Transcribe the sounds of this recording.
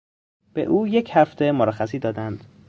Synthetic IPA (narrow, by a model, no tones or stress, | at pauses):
b̥ḛʔuːje̞cʰhæft̪ʰe̞moɾæxæsiːd̪ɒːd̪ænd̪̥